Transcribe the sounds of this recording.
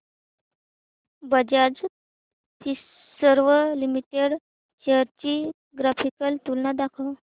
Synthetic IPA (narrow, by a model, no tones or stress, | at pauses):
bəd͡ʑad͡z | t̪ʰi | səɾʋəlimiʈeɽ | t͡ɕeɦəɾt͡ɕi | ɡɾafikəlt̪ulnad̪akʰəw